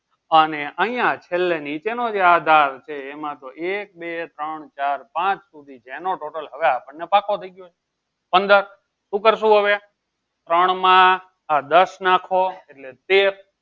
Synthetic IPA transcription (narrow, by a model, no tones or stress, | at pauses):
əneʔəɦĩjãt͡ʃʰelːenit͡ʃenod͡ʒead̪ʱaɾt͡ʃʰeːmãt̪oʔek̚bet̪ɾəɳt͡ʃaɾpãt͡ʃsud̪ʱid͡ʒɛ̃noʈoʈəlɦəʋeapəɳːepakʰot̪ʰəiɡjot͡ʃʰe | pənd̪əɾ | sũkəɾsũɦəʋe | t̪ɾəɳmãː | d̪əsnãkʰoeʈlet̪eɾ